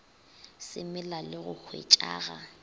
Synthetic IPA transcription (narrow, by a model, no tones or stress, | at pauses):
sɪmɪlalɪɣʊk͡xʰwḛt͡ʃʼa̰ːɣa